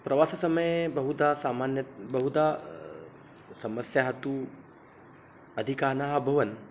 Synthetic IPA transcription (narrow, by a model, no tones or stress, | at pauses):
pɾɐʋaːsɐsɐmɐjbɐɦud̪asaːmanjɐbɐɦud̪a | sɐməsjɐɦɐt̪u | ɐd̪ʱikaːnaɦabʱɐʋɐn